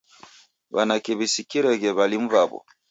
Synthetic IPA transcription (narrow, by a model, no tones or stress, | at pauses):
banakɛβisikiɾɛɡɛβalim̩βabɔ̰